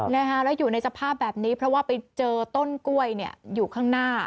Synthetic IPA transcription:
na˦˥kʰa˦˥ɾɛ˦˥wjuː˨˩na˧jsa˧pʰaː˥˩p̚bɛː˨˩p̚niː˦˥pʰɾɔ˦˥waː˥˩pa˧jt͡ɕɤː˧t̪o˥˩nku˥˩əjni˥˩ɐjuː˨˩kʰaː˥˩ŋnaː˥˩

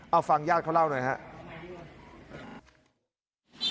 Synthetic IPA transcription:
ʔa˧wfaː˧ŋjaː˥˩t̚kʰa˥˩wla˥˩wna˧˩ɦa̰˦˥ʔ

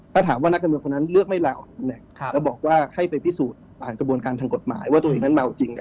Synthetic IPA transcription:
t̪ʰaː˥˩aː˩˦mwaː˥˩na˥k̚ːa˧mɯː˧ŋkʰo˧na˦˥nlɯ˥˩k̚ma˥˩jla˧˩wnɛ˧˩˧ɛː˦˥wbɔː˨˩k̚waː˥˩ha˥˩jpa˧jpʰi˦˥suː˨˩t̪̚paː˨˩nkɾa˧bu˧ənkaː˧nt̪ʰa˧ŋko˨˩t̪̚ma̰ː˩˦jwaː˥˩t̪u˧ʔeː˨˩ŋna˦˥ma˧wt͡ɕi˧ŋ˧

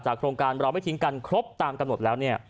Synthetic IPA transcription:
t͡ɕaː˨˩kʰɾoː˧ŋkaː˧nɾa˧wma˥˩t̪ʰi˦˥ŋka˧nkʰɾo˦˥p̚t̪aː˧mka˧mno˨˩t̪̚lɛː˦˥wni˥˩ɐ

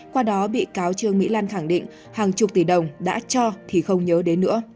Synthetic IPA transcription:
kwaː˧ɗɔ˨˦ɓḭ˧˨kaː˨˦wt͡ɕɨ˧əŋmḭ˧˥laː˧nxaː˧˩ŋɗḭ̈˧˨ŋ̟ | haː˨˩ŋt͡ɕʊ˨˩k͡p̚t̪i˧˨˩ɗə˨˩wŋ͡mɗa̰ː˧˥t͡ɕɔ˧t̪ʰi˨˩xə˧wŋ͡mɲəː˨˦ɗe˨˦nːɨ̰˧˥ə

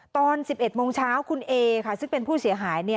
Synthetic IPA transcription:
t̪ɔː˧nsi˨˩p̚ʔe˨˩t̪̚moː˧ŋt͡ɕʰaː˦˥wkʰu˧nʔeː˧kʰa˥˩sɯ˥˩ŋpe˧npʰuː˥˩si˨˩˦ɐɦaː˩˦jni˥˩ɐ

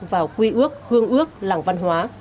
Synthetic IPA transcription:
vaː˨˩wkwi˧ʔɨ˦˥ək̚hɨ˧əŋʔɨ˦˥ək̚laː˧˩ŋva˧nɦwaː˨˦

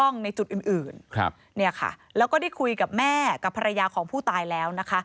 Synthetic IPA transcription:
ɔ˥˩ŋna˧jt͡ɕu˨˩t̪̚ʔɯː˨˩nʔɯː˨˩n˧ | ni˥˩ɐkʰa̰˩lɛː˦˥wkɔː˥˩da˥˩jkʰu˧jka˨˩p̚mɛː˥˩ka˨˩pʰːa˧ɾa˧jaː˧kʰɔː˩˦ŋpʰuː˥˩t̪aː˧jlɛː˦˥wna˦˥kʰa˦˥

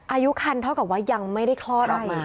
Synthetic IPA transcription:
ʔaː˧ju˦˥kʰa˧nt̪ʰa˥˩wka˨˩p̚waː˦˥˩ja˧ŋma˥˩jda˥˩jkʰlɔː˥˨˥t̪̚ʔɔː˨˧˩m˧

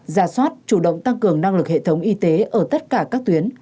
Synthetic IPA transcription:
zaː˧˩swaː˦˥t̚t͡ɕu˧˩ɗə̰˧˨wŋ͡mt̪a˧ŋkɨ˨˩əŋna˧ŋlɨ˨˩k̚hḛ˧˨t̪ʰə˨˦wŋ͡mʔi˧t̪e˨˦ʔəː˧˩t̪ə˦˥t̚kaː˧˩kaː˦˥k̚t̪wi˨˦ən

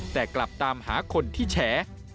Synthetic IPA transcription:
t̪ɛː˨˩kla˨˩p̚t̪aː˧mhaː˩˦kʰo˧nt̪ʰiː˥˩t͡ɕʰɛː˩˦

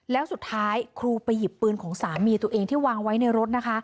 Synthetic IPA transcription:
lɛː˦˥wsu˨˩t̪ʰːaː˦˥jkʰɾuː˧pa˧jːi˨˩pːɯː˧nkʰɔː˩˦ŋsaː˩˦mːiː˧t̪u˧ɐʔeː˧ŋt̪ʰiː˥˩waː˧ŋwa˦˥jna˧jɾo˦˥t̪̚na˦˥kʰa˦˥

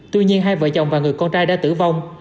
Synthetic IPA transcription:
t̪wi˧ɲi˧ənɦaː˧jvə̰ː˧˨jt͡ɕwŋ͡mvaː˨˩ŋɨ˨˩əjkɔ˧nt͡ɕaː˧jɗa̰ː˧˥t̪ɨ̰˧˩va˧wŋ͡m

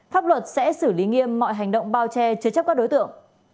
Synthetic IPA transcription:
faː˦˥p̚lwə˨˩t̚sɛ̰˧˥sɨ˧˩li˨˦ŋi˧əmːɔ̰˧˨jɦa˨˩jŋ̟ɗə̰˧˨wŋ͡mɓaː˧wt͡ɕɛ˧t͡ɕɨ˨˧˦t͡ɕa˦˥p̚kaː˦˥k̚ɗo˨˦jt̪ɨ̰˧˨əŋ

